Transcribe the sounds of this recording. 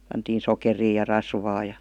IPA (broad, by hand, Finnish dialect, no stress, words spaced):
pɑntiːn sokeriː jɑ rɑsʋɑː jɑ